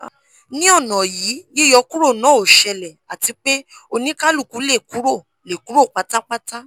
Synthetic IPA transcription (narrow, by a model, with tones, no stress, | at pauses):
nĩ˦ɔ˦˨nɔ̃˨jiː˨˦je˦˨jɔ˧˦ku˦ɾo˦˨nãː˨˦o˨ʃɛ˧lɛ˨a˨ti˧˦k͡pe˦o˧nĩ˦ka˦lu˦˨ku˨˦le˦˨ku˨˦ɾo˦˨ | le˨ku˨˦ɾo˦˨k͡pa˨˧ta˦k͡pa˦ta˦